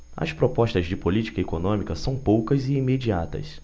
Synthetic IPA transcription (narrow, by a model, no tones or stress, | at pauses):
ɐ̰spɾopɔʃt̪ɐzd͡ʒɪpolit͡ʃi̥kɐekonõmikɐsɐ̃w̃powkɐzɪːmed͡ʒiat̪ɐ̰s